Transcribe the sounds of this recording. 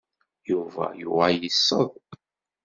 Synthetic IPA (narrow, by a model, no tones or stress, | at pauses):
juvæ̰juʁajəsːəðˤ